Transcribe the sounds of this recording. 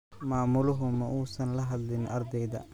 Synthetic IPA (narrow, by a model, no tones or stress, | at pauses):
maːmʊlʊɦʊmɐʔuːsɐnlɐɦɐd̪lɪnɐrd̪ɛjðɐ̰